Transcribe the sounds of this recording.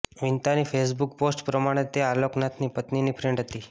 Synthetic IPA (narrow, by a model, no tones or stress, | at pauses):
ʋint̪anifʰesbuk̚posʈpɾəmaɽ̃et̪ealoknat̪ʰnipət̪ninipʰɾeɳɖɦət̪i